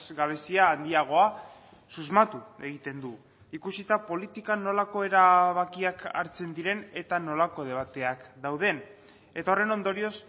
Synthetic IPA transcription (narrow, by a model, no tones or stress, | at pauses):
zɡaβ̞e̞siaːnd̪iaɣ̞o̞a | suzmat̪ue̞ɣit̪e̞nd̪u | ikusit̪apo̞lit̪ikano̞lako̞e̞ɾaβ̞akiakʰa̰ɾt͡se̞nd̪iɾe̞ne̞t̪ano̞lako̞ð̞e̞β̞at̪e̞akd̪awð̞e̞n | e̞t̪aore̞no̞nd̪o̞ɾio̞s